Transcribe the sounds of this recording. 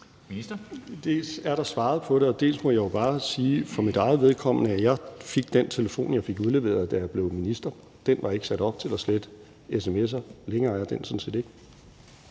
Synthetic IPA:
d̥e̝sæɐɾ̥ɑ̈sʋɑ̈ːð̩ˠpʰɒ̽ɾ̥e̝ɒ̽d̥e̝̰ːlsmɒ̽jɑ̈jo̝b̥ɑ̈ːsiːfɒ̽mid̥ɑ̈ɪð̩ˠʋeð̞ˠkʰɒ̽m̰nəæjɑ̈ɪfeɡ̥d̥ent͡sʰe̝ləfo̝̰ːnjɑ̈ɪfe̝ɡ̥uðˠle̝ʋe̝̰ːɐðˠd̥æjab̥le̝ʊminisd̥ɐ | d̥enʋɑ̈e̝ɡ̥ə̥sæd̥ɒ̽b̥̚t͡sʰe̝læsled̥ | es̬emes̬ɐleŋɐːæɐd̥en̰sɒ̽n̩se̝̰ːd̥e̝ɡ̥ə

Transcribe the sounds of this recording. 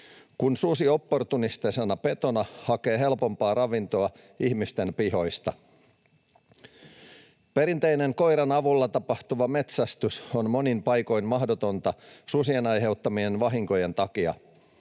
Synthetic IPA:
kunsusio̞pːo̞rt̪unist̪esenɑpe̞t̪o̞nɑhɑke̞ːɦe̞lpo̞mpɑːɾɑʋint̪o̞ɑ | ihmist̪e̞mpiɦo̞jst̪ɑ | pe̞ɾint̪e̞jne̞ŋko̞jɾɑnɑʋulːɑt̪ɑpɑht̪uʋɑme̞t̪sæst̪ysonmo̞nimpɑjko̞jnmɑhdot̪o̞nt̪ɑsusienɑjɦe̞uwt̪ːɑmie̞nʋɑɦiŋko̞jent̪ɑkiɑ̰

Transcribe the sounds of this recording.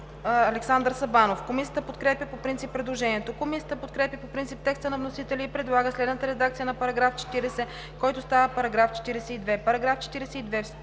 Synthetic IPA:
ɐlɛksand̪əɾsɐbanofkomisijət̪əpot̪kɾɛpʲjəpopɾint̪ipːɾɛd̪lˠoʒɛnʲiɛt̪okomisijət̪əpot̪̚kɾɛpʲjəpopɾint̪sip̚t̪ɛkst̪ənɐvnosit̪ɛlʲiːpɾɛd̪lˠaɡəslɛd̪nət̪əɾɛd̪akt̪sijənɐpɐɾɐɡɾaft͡ʃɛ̥t̪iɾɛsɛ | kɔjt̪ost̪avəpɐɾɐɡɾaft͡ʃɛ̥t̪iɾɛsɛid̪vɛpɐɾɐɡɾaft͡ʃɛ̥t̪iɾɛsɛid̪vɛf

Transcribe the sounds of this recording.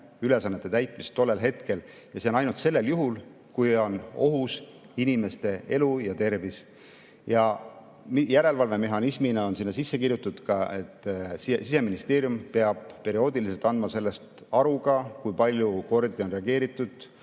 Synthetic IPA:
yle̞sɑnːe̞t̪ːˑe̞t̪æjt̪ˑmist̪ːo̞lːe̞lɦe̞t̪ke̞l | jɑse̞o̞nɑjnult̪se̞lːe̞ljuɦul | kujo̞no̞ɦus | inime̞st̪e̞e̞lujɑt̪e̞rvis | jɑ | mjæɾe̞lvɑlve̞me̞ɦɑnisminɑo̞nsinːɑsisːe̞kirjut̪ːˑud̪̥kɑe̞t̪ːsise̞minist̪e̞ːɾjumpe̞ɑb̥̚pe̞ɾio̞ːd̪̥ilis̬elt̪ˑɑnd̪mɑse̞lːe̞st̪ | ɑɾuɡɑkujpɑlʲjuko̞rd̪io̞nre̞ɑɡe̞ːɾit̪ːˑud̪̥

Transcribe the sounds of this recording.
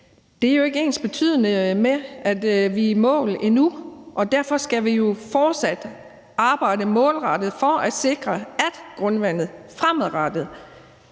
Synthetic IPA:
d̥e̝æɐjo̝e̝ɡ̥əe̝̰ːnsb̥e̝t͡sʰy̰ːð̰ˠənəmeʔæd̥ʋimɔ̰̽ːlenuʔɒ̽d̥æɐfɒ̽sɡ̥æʋijo̝fɒːd̥sæd̥ | ɑ̈ːb̥ɑ̈ɪ̰dəmɔ̰̽ːlʁɑd̥ð̞̩ˠfɒʔæd̥se̝ɡ̥ʁɐæd̥ɡ̥ʁɔ̽nʋæn̰ð̞̩ˠfʁamðˠʁɑd̥ð̩ˠ

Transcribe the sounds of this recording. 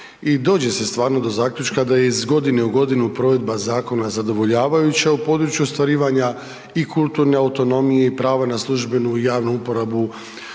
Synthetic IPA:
id̪o̞ːd͡ʑe̞se̞st̪ʋaːɾno̞d̪o̞zaːkʎʲut͡ʃkad̪aje̞izɡo̞d̪ine̞uɡo̞d̪inupɾo̞ːʋe̞d̪bazaːko̞nazad̪o̞ʋo̞ʎaːʋajut͡ɕaupo̞ːd̪ɾut͡ɕjuost̪ʋaɾiːʋaɲa | ikulˠt̪uɾne̞aut̪o̞no̞mije̞ipɾaːʋanaslˠuʒbe̞nujaːʋnuupo̞ɾabu

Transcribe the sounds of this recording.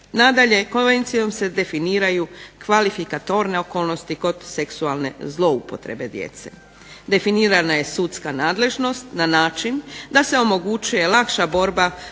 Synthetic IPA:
nad̪aʎe̞ko̞nʋe̞nt̪sijo̞mse̞d̪e̞finiːɾajukʋalifikat̪o̞ɾne̞o̞ko̞ːlˠno̞st̪iko̞d̪se̞ksualˠne̞̰zlˠo̞upo̞t̪ɾe̞̰be̞d̪jḛt̪se̞̰ | d̪e̞finiːɾanaje̞sut̪skanaːd̪le̞ʒno̞st̪nanaːt͡ʃind̪ase̞o̞mo̞ɡut͡ʃuje̞lˠakʃabo̞ɾba

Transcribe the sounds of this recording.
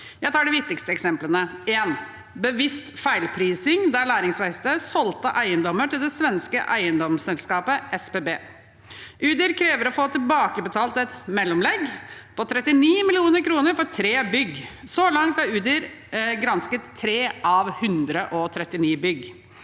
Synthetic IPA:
jæɪt̪ʰɑːɖɛʋɪk̚t̪ɪkst̪əɛksɛmplənəeːn | bəʋɪst̪fæɪlpʰɾiːsɪŋd̪æɭæːɾɪŋsʋæɪst̪əsɔlt̪əʔæɪənd̪ɔməʈɪld̪ɛsʋɛnskə̰ʔæɪənd̪ɔmsɛlskɑːpəʔɛspeːbeː | ʔʉːd̪ɪɾkʰɾeːʋəɾɔfoːt̪ʰɪlbɑːkəbət̪ʰɑːlt̪ɛt̪mɛlːɔmlɛɡpʰɔt̪ʰɾɛt̪ɪniːmɪlɪuːnəɾkʰɾuːnəɾfɔɾtʰɾeːbʏɡsɔlɑŋt̪æɾʉːd̪ɪɾ | ɡɾɑnskət̪ʰːɾeːʔɑʋhʉnd̪ɾəʔɔt̪ʰɾɛt̪ːɪniːbʏɡ

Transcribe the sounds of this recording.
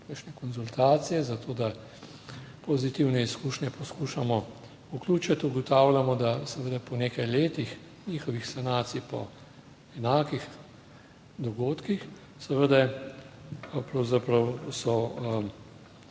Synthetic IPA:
kakʃnɛkɔnzult̪aːt̪sijɛzat̪ʰoːd̪a | pozit̪iwnɛiskuːʃnʲɛpɔskuːʃamɔ | ukluːt͡ʃat̪uɡɔt̪aːwlʲamɔd̪asɛʋəd̪apɔneːkajleːt̪ix | niːxɔʋixsanaːt̪sipɔ̰ | ɛnaːkix | d̪ɔɡoːt̪kix | sɛʋəd̪ɛ | pɾɐwzapɾɐwsɔ

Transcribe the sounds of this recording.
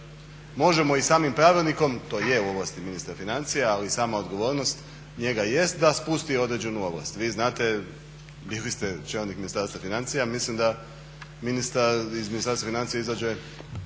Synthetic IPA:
mo̞ʒe̞mo̞isaːmimpɾaːʋilˠniko̞mt̪o̞ːje̞uo̞ʋlast̪iminist̪ɾafinant̪sijaalisaːmaod̪ɡo̞ʋo̞ːɾno̞st̪ | ɲe̞ɡaje̞st̪̚d̪aspust̪io̞d̪ɾe̞d͡ʑe̞nuo̞blˠa̰st̪ʋiːznaːt̪e̞ | bilist̪et͡ʃelnikminist̪aɾst̪afinant̪sijamislimd̪a | minist̪aizminist̪aɾst̪vafinant̪sijaizad͡ʑe

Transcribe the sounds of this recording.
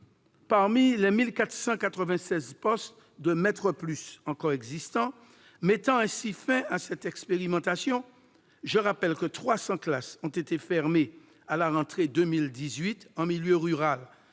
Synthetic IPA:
paʁmilɛmilkat̪χə̥sɑ̃kat̪χəvɛ̃sɛzpɔst̪ | d̪əmɛt̪χəplysɑ̃kɔʁɛɡzist̪ɑ̃ | mɛt̪ɑ̃ɛ̃sifɛ̃asɛt̪ɛkspeʁimɑ̃t̪asjɔ̃ | ʒəʁapɛlkət̪χwasɑ̃klasɔ̃t̪et̪efɛʁme | alaʁɑ̃t̪χed̪ømild̪izɥit̪ɑ̃miljøʁyʁal

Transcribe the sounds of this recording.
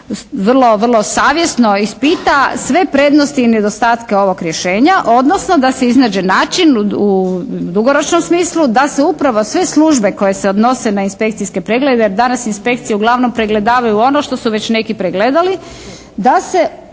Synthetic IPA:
sʋr̩lˠo̞ʋrlˠo̞saːʋje̞sno̞ispit̪asʋe̞pɾe̞d̪nost̪iːne̞d̪o̞st̪aːt̪keo̞ʋo̞kɾʲje̞ʃe̞ːɲaʔo̞d̪no̞sno̞d̪ase̞iznaːd͡ʒenaːt͡ʃinud̪uɡo̞ɾo̞t͡ʃno̞msmiːslˠud̪ase̞upɾaʋo̞sʋe̞slˠuʒbe̞ko̞je̞seod̪no̞se̞nainspe̞kt̪siske̞pɾeɡle̞d̪ejeɾd̪anasinspe̞kt̪sijeuɡlˠaʋno̞mpɾeɡle̞d̪aːʋajuo̞no̞ʃt̪o̞suʋe̞t͡ɕne̞kipɾeɡled̪ali | d̪ase̞

